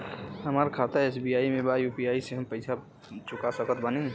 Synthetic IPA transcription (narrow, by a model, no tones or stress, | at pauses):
ɦəmaːɾkʰat̪aeːsbijaːimẽbajupijaːiseɦəmpəɪsʰa | t͡ʃʊkasəkət̪bənẽ